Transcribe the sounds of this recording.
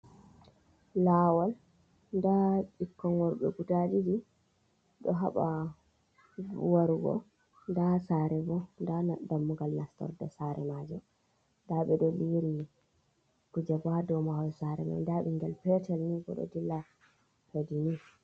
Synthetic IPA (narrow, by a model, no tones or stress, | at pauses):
laːwal | ndaɗikːɔŋɡɔɾɓɛ̰ɡutad͡ʒid͡ʒi | ɗɔɦa̰ɓa̰ | waɾɡɔ̰ | ndasaɾɛbɔndadamːuɡalnastɔ̰ɾdɛ̰saɾɛmad͡ʒɔ | ndaɓɛɗɔliɾi | kud͡ʒabadɔmawɔsaɾɛma̰jndaɓɛŋɡɛlpɛtɛlniɡɔ̰ɗɔ̰dilːa | pedini